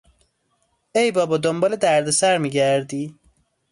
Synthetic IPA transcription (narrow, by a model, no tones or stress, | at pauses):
ejbɒːbɔːd̪ombɒled̪æɾd̪esæɾmiɡæɾd̪iː